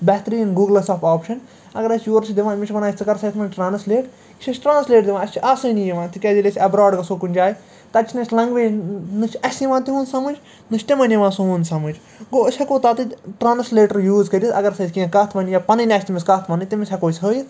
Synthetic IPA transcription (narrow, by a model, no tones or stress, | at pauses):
bɛt̪ɾiːnɡuːɡlɐsɐːfaːpʃɐn | ɐɡɐɾɐsʰʲjoːɾt͡ʃʰid̪iʋãːmit͡ʃʰʋɐnaːisʲt͡sɨkɐɾsɐt̪mɐnʈɾaːnsleːʈ | iʃʰʲɐsʲʈɾãːnsleːʈd̪iʋãːɐsʲt͡ʃʰiʔaːsɨnijiʋãːt̪ikʲɛd͡ʒʲilʲisʲɐbɾaːɖkɐsoːkunʲd͡ʒʲaːji | t̪ɐt͡ʃʰnɐt͡ʃʰʲlɐ̃ŋɡʋeːnɨt͡ʃʰɐsʲjiʋãːt̪iɦũːnsɐmɨnd͡ʒ | nɨt͡ʃʲt̪imɐnjiʋãːsoɦũːnsɐmɨnd͡ʒʲ | ɡoːəsʲɐkoːt̪aːt̪ɨʈɾaːnsleːʈɐɾjuːzkɐɾʲisɐ̰ɡɐɾɐsɐsʲkiãkɐt̪ʰʋɐnijaːpɐnɨnʲɐsʲt̪ʲimiskɐt̪ʰʋɐnɨt̪imisʲʰɐkoːsʲɦəːjit